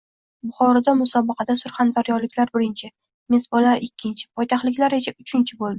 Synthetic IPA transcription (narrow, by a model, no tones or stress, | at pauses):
bʊχɒɾɒd̪amʊsɒbɑqʰɑd̪asʊɾχɑnd̪aɾjɒɾlɪkʲlaɾbɪɾɪnt͡ʃʰɪ | mesbɒlaɾɪkʲʰːɪnt͡ʃʰɪ̥pʰɒjt̪ʰaχlɪkʲlaɾesaʊt͡ʃʰɪnt͡ʃʰɪbolˠd̪ɪ